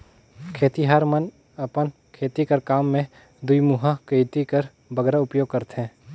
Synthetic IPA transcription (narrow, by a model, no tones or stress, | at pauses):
kʰeːt̪iɦaɾmən | ɐpən | kʰeːt̪ikəɾkaːmːẽ | d̪uimuɦakəjt̪ikɐɾ | bɐɡɾaʊpjoːɡ̚kəɾt̪ɦɛ̃ː